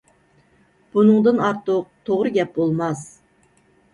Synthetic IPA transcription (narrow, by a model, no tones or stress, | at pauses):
b̥unɨŋd̪ɨnɑɾt̪ʊq̚t̪ʰoʁɾɨɡʲɛp̚bolˠmɑs